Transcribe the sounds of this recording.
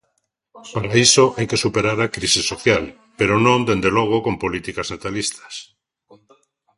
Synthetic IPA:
paɾaisoʔajkesupeɾaɾakɾisisoθjal | peɾonõnd̪end̪eloɣ̞okompolit̪ikaznat̪alist̪ḁs

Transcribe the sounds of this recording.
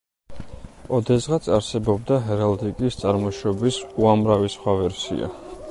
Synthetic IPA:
ɔd̪ɛzʁat̪sʰaɾsɛbɔbd̪aɦɛɾald̪ikʼist̪sʼaɾmɔʃɔbisuamɾavisχwavɛɾsḭa̰

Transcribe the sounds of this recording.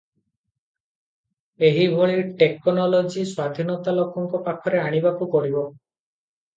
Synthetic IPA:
eɦibʱoɭiʈekɔnɔlod͡ʒiswad̪ʱinɔt̪alokɔŋkɔpakʰɔɾeaɽ̃ibakukɔɽibɔ

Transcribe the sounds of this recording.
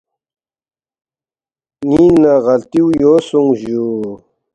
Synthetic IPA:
ninnaɣɐlt̪iwjoːsuŋʑu

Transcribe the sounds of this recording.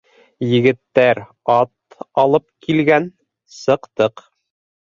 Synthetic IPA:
jɘ̆ɡɘ̆t̪ːæɾ | ɑt̪ | ɑlˠɤp̚kilɡæn | sɤ̆qt̪ɤq

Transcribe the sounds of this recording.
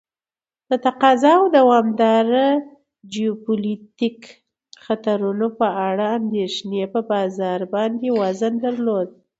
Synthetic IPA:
d̪̥ət̪aqɑzɑawd̪awɑmd̪ɑɾə | d͡ʒiopulit̪ik | xat̪aɾunopəaɽaːnd̪eʃnepəbɑzɑɾbɑnd̪ewazənd̪aɾlod̪̚

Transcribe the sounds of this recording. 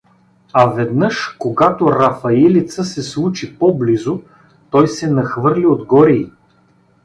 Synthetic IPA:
ɐvɛd̪nɤʃkoɡat̪oɾɐfɐɛlit̪səsɛslˠut͡ʃipɔblizo | t̪ɔjsɛnɐxvɤɾlʲiod̪ɡɔɾiː

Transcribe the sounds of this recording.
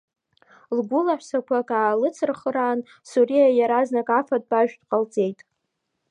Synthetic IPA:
lɡʷʊlaħᶣʷsakʷʰakʼaːlɨt͡sʰɨrχəraːn | suɾijajaɾaznakʼafad̚ʼbaʒᶣdqʼalt͡sʼe̞jtʼ

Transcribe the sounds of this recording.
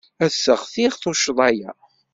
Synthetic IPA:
æsːəʁθiʁθoʃðˤæjæ

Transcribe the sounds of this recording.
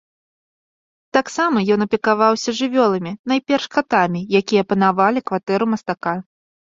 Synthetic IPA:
t̪aksamɐjɔnɐpʲɛkavawsʲɐʐɨvʲɔlˠɐmʲinajpʲɛrʂkat̪amʲijakʲijɐpɐnavalʲikvat̪ɛɾumɐst̪aka

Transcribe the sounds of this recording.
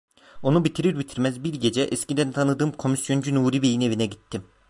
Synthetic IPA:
o̞nubit̪ʰiɾiɾbit̪ʰiɾmɛzbiɾɟe̞d͡ʒɛʔɛscid̪ænt̪ʰanɯd̪ɯːmkʰo̞misjo̞nd͡ʒynuːɾibejine̞vinɛɟit̪ʰːim

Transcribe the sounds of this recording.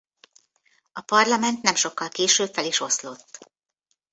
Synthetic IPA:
ɒpɒrlɒmɛnt̪nɛmʃo̞kːɒlkeːʃøːbfɛliʃo̞slo̞t̪ː

